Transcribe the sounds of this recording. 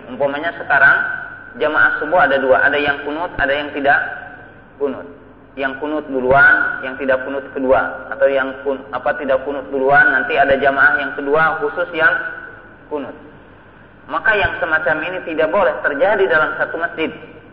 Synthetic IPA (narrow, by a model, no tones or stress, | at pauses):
umpamaɲasəkaɾaŋd͡ʒəmaʔahsəbuaːdaduaʔadajaŋkunʊt̪̚adajaŋt̪idaʔ | kunʊt̪̚ | jaŋkunʊt̪̚buluanjaŋt̪idakunʊt̪̚kəduaa̰t̪awjaŋkuapat̪idakunʊt̪̚buluanːant̪iadad͡ʒəmaʔahjaŋkəduahusʊsjaŋ | kunʊt̪̚ | makajaŋsəmat͡ʃaminit̪idaʔbolɛht̪ərd͡ʒadidalamsat̪uməsd͡ʒɪd̪̚